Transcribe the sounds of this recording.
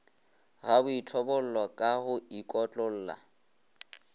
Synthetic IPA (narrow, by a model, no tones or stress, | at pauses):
ɣabʊitʰɔbɔl̩lɔkʼahʊikʼɔt͡ɬʼɔl̩ːla̰